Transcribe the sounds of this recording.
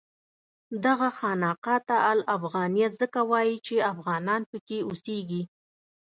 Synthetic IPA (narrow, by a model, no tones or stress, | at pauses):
d̪aɣaxɑnɑqɑt̪aʔalafɣɑnijat̪zəkawɑjit͡ʃeafɣɑnɑnpəkeuseɡi